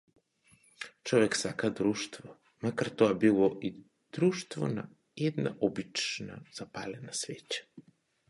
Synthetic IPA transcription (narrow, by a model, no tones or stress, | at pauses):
t͡ʃɔvɛksakad̪ɾuʃt̪vɔ | makaɾt̪ɔabilˠɔʔi | d̪̥ɾuʃt̪vɔ̰na̰ | ɛd̪na̰ʔɔbit͡ʃna̰z̥apa̰lɛnasvɛcḁ